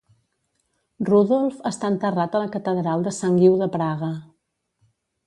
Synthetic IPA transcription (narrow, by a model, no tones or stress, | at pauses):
ruðɔlˠfəst̪aənt̪ərat̪ələkət̪əðɾalˠd̪əsaŋɡiwðəpɾaɣə